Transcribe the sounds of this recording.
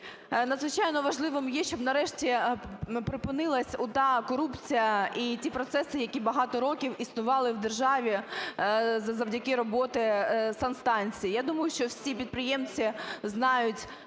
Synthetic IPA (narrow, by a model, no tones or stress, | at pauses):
nɐd̪zʋɪt͡ʃɑjnɔʋɐʒlˠɪʋɪmjɛʃt͡ʃɔbnɐɾɛʃtʲi | pɾɪpɪnɪlˠɐsʲʊt̪ɑkɔɾupt͡sʲijɐʔitʲipɾɔt̪sɛsɪjɐkʲibɐɦɑt̪ɔɾɔkʲiwisnʊʋɑlˠɪwd̪erʒɑʋʲi | zɐzɐwdʲɐkɪɾɔbɔt̪ɪsɑnst̪ɑnʲt͡sʲijijad̪umɐjʊʃt͡ʃɔwsʲipʲid̪̚pɾɪjɛmt͡sʲiznɑjʊtʲ